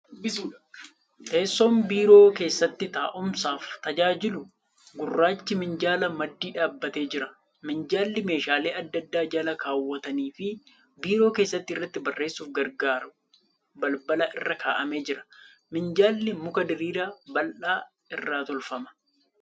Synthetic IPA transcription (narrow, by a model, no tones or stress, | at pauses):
t̪eːsːo̞ːmbiːɾo̞ːke̞ːsːɐt̪ːɪt̪aːʔʊmsaːft̪ɐd͡ʒaːd͡ʒɪlʊ | ɡʊrːaːt͡ʃːɪmɪnd͡ʒaːlɐmɐd̪ːiːᶑaːbːɐt̪e̞ːd͡ʒɪɾɐ | mɪnd͡ʒaːlːɪme̞ːʃaːle̞ːɐd̪ːɐd̪ːaːd͡ʒɐlɐkaːwːɐt̪ɐniːfɪ | biːɾo̞ːkeːsːɐt̪ːɪrːɐt̪ːɪbɐrːe̞ːsːuːfɡɐɾɡaːɾ | bɐlbɐlɐʔɪrːɐkaːʔɐme̞ːd͡ʒɪɾɐ̥ | mɪnd͡ʒaːlːɪmʊkɐd̪ɪɾiːɾaːbɐlʔaː | ɪrːaːt̪ɔlfɐmɐ̥